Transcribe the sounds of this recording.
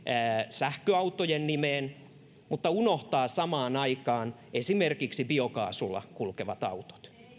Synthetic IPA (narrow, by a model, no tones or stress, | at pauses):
æːsæhkøɑut̪ːojennimeːn | mut̪ːɑunoht̪ɑːsɑmɑːnɑikɑːn | esimerkiksibiokɑ̰ːsulːɑ̰kulkeʋɑt̪ɑ̰ut̪o̥t̪